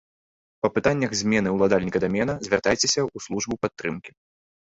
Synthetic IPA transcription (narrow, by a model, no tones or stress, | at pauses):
pɐpɨt̪anʲːɐxzʲmʲɛnɨwlˠad̪alʲnʲikɐd̪amʲɛnɐzʲvʲart̪ajt͡sʲɛsʲɐuslˠuʐbupat̪ːɾɨmkʲi̥